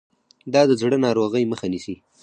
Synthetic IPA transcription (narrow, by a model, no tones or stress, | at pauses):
d̪ɑd̪əzɽənɑɾoɣəjməxanisi